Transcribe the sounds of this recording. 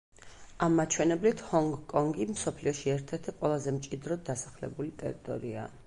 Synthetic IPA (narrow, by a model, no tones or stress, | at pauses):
amːat͡ʃʰwɛnɛblit̪ʰhɔŋɡkʼɔŋɡimsɔpʰliɔʃiɛɾt̪ʰɛɾt̪ʰiqʼwɛlˠazɛmt͡ʃʼid̪ɾɔd̪asḁχlɛ̰bulit̪ʼɛ̰ɾit̪ʼɔ̰ɾia̰